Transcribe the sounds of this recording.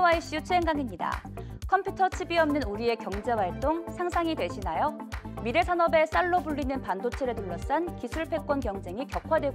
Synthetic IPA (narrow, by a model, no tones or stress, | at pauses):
waiɕ͈ut͡ɕʰueŋɡaŋimɲida̰kʰʌmpʰjutʰʌt͡ɕʰibiʌmnɯnuɾie̞kjʌŋd͡ʑe̞waɭt͈oŋsʰaŋsʰaŋidwe̞ɕʰinajomiɾesʰanʌbe̞s͈aɭːobuɭːinɯnpandot͡ɕʰeɾetoɭːʌs͈ankisʰuɭpʰe̞k͈wʌnkjʌŋd͡ʑe̞ŋikjʌkʰwadwe̞ɡo